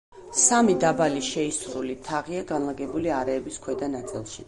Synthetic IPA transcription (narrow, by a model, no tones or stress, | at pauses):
samid̪abaliʃɛisɾulit̪ʰaʁiaɡanlˠaɡɛbuliaɾɛːbiskʰwɛd̪anat̪sʼḭlˠʃi